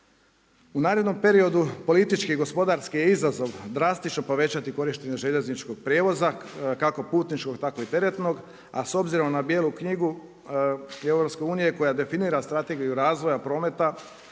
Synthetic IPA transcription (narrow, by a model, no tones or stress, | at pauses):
unaːɾed̪no̞mpe̞ɾio̞d̪upo̞lit̪it͡ʃkiɡo̞spo̞d̪aɾskijeizazo̞ʋd̪ɾast̪it͡ʃnopo̞ʋe̞t͡ɕat̪iko̞ɾiʃt̪e̞ɲeʒe̞ʎe̞znit͡ʃko̞ɡ̚pɾje̞ːʋo̞zakako̞puːt̪nit͡ʃko̞ɡt̪ako̞it̪e̞ɾe̞t̪no̞ɡ | aso̞bziɾo̞mnabje̞ːlˠukɲiɡu | ewɾopske̞uːnije̞ko̞jad̪e̞finiːɾast̪ɾat̪e̞ɡijuɾaːzʋo̞japɾo̞ːme̞t̪a